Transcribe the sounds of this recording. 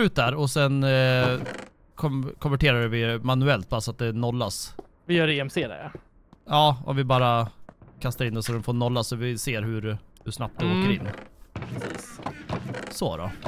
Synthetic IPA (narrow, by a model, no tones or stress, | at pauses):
ʉt̪̚d̪æɾɔsɛn | kʰɔkʰɔmvæʈeːɾaɖvɪmanʉɛlt̪̚baːɾsɔat̪̚d̪ɛnɔlːas | vɪjœːɾeːɛmseːd̪ɛ̰ɾa̰ | ɑːɔ̰mvɪbɑːɾakʰast̪aɾɪnd̪ɛsɔd̪ɛnfoːnɔlːasɔvɪseːɾɦɵɾhɵʂnap̚t̪ɛɔːkkəɾɪnːpɾɛsiːs | sɔɾɔ̰